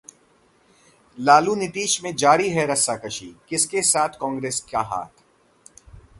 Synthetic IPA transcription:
laːlunɪt̪iːʃmẽd͡ʒaːɾiɦɛɾɐsakɐʃiːkɪskesaːt̪ʰkɔ̃ːŋɡɾeːskaɦa̰ːt̪ʰ

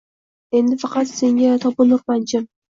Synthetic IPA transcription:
e̞nd̪ɪfɑqɑt̪se̞ŋɡʲat̪ʰɒpʊnʊɾpant͡ʃʰɪm

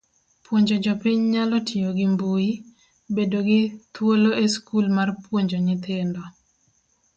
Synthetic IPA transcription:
pwoɲd͡ʒɔd͡ʒɔpiɲɲalɔtʰioɡɪmbui | bedoɡɪt̪woloeskulmarpwoɲd͡ʒɔɲɪt̪ɪndɔ

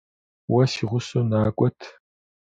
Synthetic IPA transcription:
wɐsiːʁʷʊsuːnaːkʷʼɔtʰ

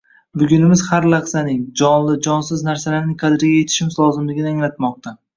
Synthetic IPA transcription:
bʊɡʲʊnɪmɪzhaɾlaχsanɪŋd͡ʒɒnlɪd͡ʒɒnsɪznaɾsalaɾnɪŋqʰɑd̪ɪɾɡʲajet̪ʰɪ̥ʃɪmɪzlˠɒzɪmlɪɡʲɪnɪaŋlat̪mɒq̚t̪ʰa

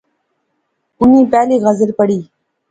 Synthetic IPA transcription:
ʊnĩːpɛːliːɣɐzɪlpəɽiː

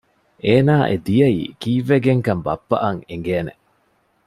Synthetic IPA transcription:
ʔeːnaːʔed̪ijɐḭːkiːʋːeɡeŋkɐmbɐ̰pːɐ̰ʔɐŋeŋɡeːnḛ

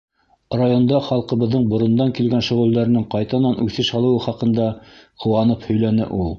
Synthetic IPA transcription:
rajo̞nd̪ɑχɑlˠqɤ̆βɤ̆ðːɤɴbŏɾŏnd̪ɑŋkilɡænʃŏʁɵ̆lˠd̪æɾɘ̆nɘɴqɑjt̪ɑnɑnʔʉθɘʃɑlˠɤ̆wɤχɑqɤ̆nd̪ɑqʰɤ̆wɑnɤphɵ̆jlænɘʔulˠ

